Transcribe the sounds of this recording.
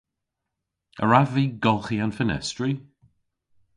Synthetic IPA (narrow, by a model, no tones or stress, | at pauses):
ə̰ɹaviːɡɔlˠxianfənɛ̰stɹi